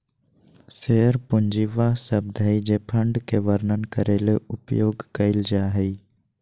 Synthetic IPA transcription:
seːəɾpʊɲd͡ʒiʋasəb̚d̪ʱaːid͡ʒeːpʰəɳɖkeʋəɾnənkəɾeːleʊpjoːɡkɐɪld͡ʒaːɦɛi

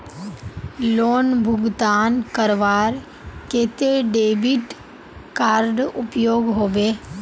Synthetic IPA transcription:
loːnbʱʊɡt̪aːnkəɾʋaːɾ | keːt̪eɖeːbiʈ | kaːɾɖʊpjoːɡɦoːʋeː

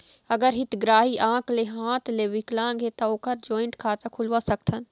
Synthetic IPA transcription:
ɐɡəɾɦɪt̪ɡɾaːɦiʔãːkleɦãːt̪ʰleʋɪklãːɡet̪ɐoːkəɾd͡ʒɔːɪ̃ɳʈkʰaːt̪akʰʊlʋasɐk̚t̪ʰən

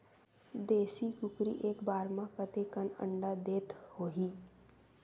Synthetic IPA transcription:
d̪eːsikʊkɾḭʔeːkbaːɾmãkət̪ekənə̰̃ɳɖad̪eːt̪hoːɦiː

